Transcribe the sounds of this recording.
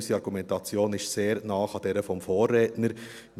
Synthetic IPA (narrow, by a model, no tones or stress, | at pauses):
siɑɾɡ̥umɛntɑt͡sjoːnɪʃseːɾnɑːχɑd̥ɛɾəfɔmfoːrːɛːtnəɾ